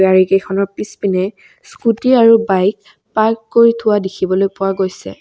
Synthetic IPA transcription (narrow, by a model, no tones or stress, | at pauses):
aɹikexʰɔnɔɹpispinɛ | skutiaɹubajk̚ | paɹkːoɹitʰʊwadikʰibɔlojpʊwaɡojsɛ̰